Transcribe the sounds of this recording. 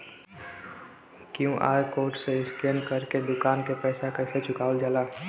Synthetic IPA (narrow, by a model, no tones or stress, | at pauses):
kjũʔa̰ːjkoːɾʈseɪskenkəɾked̪ʊkaːnkepɛːsakəɪset͡ʃʰʊkaːʊld͡ʒaːlaː